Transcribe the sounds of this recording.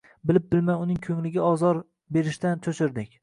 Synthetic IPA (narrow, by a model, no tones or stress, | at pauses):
bɪlɪp̚bɪlmajʊnɪŋkʲʰɵŋlɪɡʲɪɒzɒɾ | be̞ɾɪʃt̪ant̪ʰɵʃɪɾd̪ɪkʲ